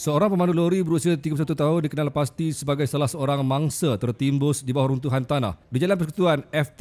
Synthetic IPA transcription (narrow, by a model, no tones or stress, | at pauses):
səoɾaŋpəmanuloɾibəɾusiat̪iɡapusat̪ut̪aɦundikənalpast̪isəbaɡajsalahsəoɾaŋmaŋsət̪ərt̪imbʊsdibawaɾunt̪uɦant̪ana̰hdid͡ʒalanpəsku̥t̪uanɛft̪